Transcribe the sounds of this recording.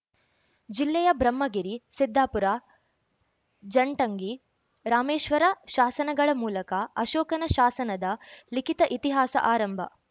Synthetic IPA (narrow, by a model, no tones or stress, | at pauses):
d͡ʒilːɛjɐbɾɐmːɐɡiɾisid̪ʱːaːpuɾaː | d͡ʒɐɳʈɐŋɡi | ɾaːmeːʃʋɐɾɐʃaːsɐnɐɡɐɭɐmuːlɐkɐɐʃoːkɐnɐʃaːsɐnɐd̪ɐlikit̪ɐʔit̪iɦaːsɐ̰ʔaːɾɐmbʱɐ̰